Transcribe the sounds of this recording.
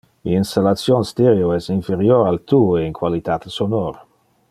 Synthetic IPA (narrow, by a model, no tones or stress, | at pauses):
ḭinst̪alat̪sjonst̪eɾjoɛsiɱfeɾjoɾalt̪uːoeiŋkwalit̪at̪sonoɾ